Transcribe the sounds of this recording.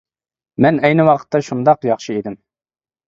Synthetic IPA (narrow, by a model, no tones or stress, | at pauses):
mɛnɛjnɪwɑqʰə̥t̪ʰːɑʃund̪ɑqjɑχʃɨed̪ɪm